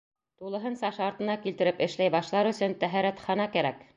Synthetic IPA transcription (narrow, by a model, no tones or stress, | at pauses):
t̪ulˠɤ̆ɦɤnsɑʃɑɾt̪ɤ̆nɑkilt̪ɘ̆ɾɘpɘ̆ʃlæjbɑʃɤ̆lˠɑɾɵ̆sɵnt̪æɦæɾæt̪χɑnɑkæɾæk